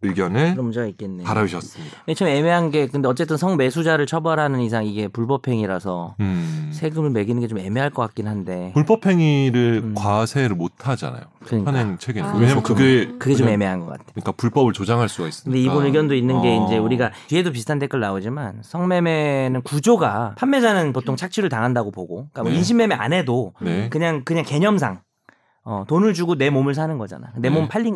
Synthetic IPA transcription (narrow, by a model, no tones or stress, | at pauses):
ɯɭɡjʌnɯɯɾʌmd͡ʑaɡaik͈enːepaɾaiɕʰʌs͈ɯmɲi̥et͡ɕome̞me̞ɦanɡe̞kɯnde̞ʌt͡ɕ͈e̞t͈ɯnsʰʌŋme̞sʰud͡ʑaɾɯɭt͡ɕʰʌbʌɾɦanɯnisʰaŋiɡe̞puɭpʌpʰe̞ŋiɾasʰʌ̰ | sʰe̞ɡɯmɯɭme̞ɡinɯnŋɡe̞t͡ɕome̞me̞ɦaɭk͈ʌkak͈̚inɦande̞puɭpʌpʰeŋiɾɯɭkwasʰe̞ɾɯɭmotʰad͡ʑa̰na̰jokɯanent͡ɕʰeɡineɲamakɯɡekɯɡet͡ɕome̞me̞ɦanɡʌk͈a̰tʰeɲik͈apuɭp͈ʌbɯɭt͡ɕod͡ʑaŋɦaɭs͈uɡais͈ɯndeibonɯɭɡjʌndoinːɯnɡe̞ind͡ʑe̞uɾiɡat͡ɕɥie̞dop̬isʰtʰantʰek͈ɯɭnaod͡ʑima̰nsʰʌŋme̞me̞nɯnkud͡ʑoɡapʰamːe̞d͡ʑanɯnpotʰoŋt͡ɕʰak̚t͡ɕʰuɾɯɭtaŋɦandaɡopoɡokamʌinɕʰimme̞mea̰nɦe̞donekɯɲaŋkɯɲaŋke̞ɲʌms̬ʰaŋ | ʌ̰tonɯɭd͡ʑuɡone̞momɯɭs̬ʰanɯnɡʌd͡ʑa̰na̰ne̞mompʰaʎːi